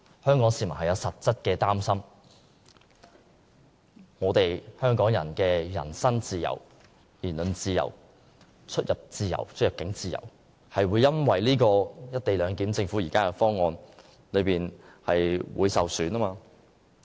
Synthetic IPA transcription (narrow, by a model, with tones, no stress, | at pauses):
hœː˥ŋkɔː˨˥ŋsiː˧˩mɐ˨˩nhɐ˨jɐ˨˧wsɐ˨t̚t͡sɐ˥t̚kɛː˧t̪aː˥msɐ˥m | ŋɔː˨˧t̪e˨jhœː˥ŋkɔː˨˥ŋjɐ˨˩nkɛː˧jɐ̰˨˩nsɐ˥nt͡siː˨jɐ̰˨˩w | jiː˨˩nlɵ˨nt͡siː˧jɐ̰˨˩w | t͡ʃʰɵ˥t̚jɐ˨p̚t͡siː˨˧jɐ̰˨˩wt͡ʃʰt̚jɐ˨p̚kɪ˨˥ŋt͡siː˨jɐ̰˨˩w | hɐ˨jwuː˨˧jɐ˥nwɐ˨jliː˥kɔː˧jɐ˥t̚t̪e˨jlœː˨˧ŋkiː˨˥mt͡sɪ˧ŋfuː˨˥jiː˨˩kaː˥kɛ˧fɔː˥ŋːɔː˧n | lɵ˨˧ɥpiː˨˩nhɐ˨jwuː˨˧jsɐ˨wsyː˨˧naː˥maː˧